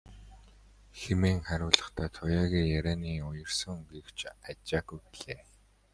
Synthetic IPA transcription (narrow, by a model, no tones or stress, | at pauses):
xemeːŋχæɾʲʊːɮə̆χt̪ʰaːt̪ʰʊjaːɣiːjæɾʲæːniːʊjə̆r̥sə̆ŋɡew̥t͡ɕʰat͡ɕaːɣujpiɮeː